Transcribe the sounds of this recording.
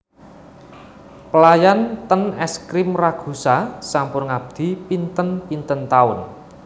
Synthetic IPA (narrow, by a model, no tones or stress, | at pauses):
pəlajant̪ənɛskɾɪmraɡ̥ṳsasampʊnŋab̚d̪̥i̤pint̪ənpint̪ənt̪aʊn